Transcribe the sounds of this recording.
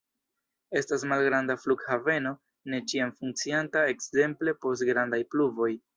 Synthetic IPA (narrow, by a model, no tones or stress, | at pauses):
e̞stasmalɡɾandafluɡhave̞no̞ | ne̞t͡ʃiamfuŋk̚t͡siantae̞kze̞mple̞po̞stɡɾandajpluvo̞j